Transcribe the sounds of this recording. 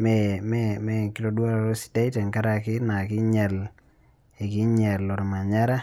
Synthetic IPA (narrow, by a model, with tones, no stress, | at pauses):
mɛmɛmɛ˦kɪ˦lo˦dwa˦ɾɔ˨ɾo˦si̥˦da˦ɪ˦tɛ˨ŋka˦ɾa˦kɪ˦na˨kɪ˦ɲɛ˨l | e˨kɪ˦ɲɛ˨lo˨ɾɔ˨ma˨ɲa˦ɾa˦